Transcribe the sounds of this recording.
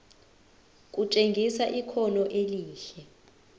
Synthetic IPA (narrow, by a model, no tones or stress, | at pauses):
k̬ʼut͡ʃʼeŋɡʱisaʔikʰɔlɔʔeliːɬɛ